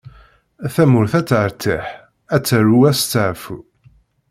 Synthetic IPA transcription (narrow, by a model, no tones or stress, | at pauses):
θæmʊɾθæt͡sːʕəɾt̪ʰəħ | æt͡sːəruæst͡sːəʕfu